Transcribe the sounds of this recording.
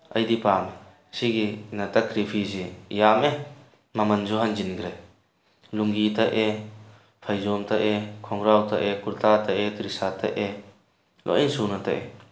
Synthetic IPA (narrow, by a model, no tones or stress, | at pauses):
ɐjdipame | siɡinɐtɐkɾipʰiziijame | mɐmɐnzɔɦand͡ʒinɡɾaj | luŋɡitʰaʔe | pʰajzɔmtʰaʔekʰɔŋɾawtʰaʔekuɾtʰatʰaʔetɾisatʰa̰ʔe | lʔɔ̰ʔinsunatʰa̰ʔe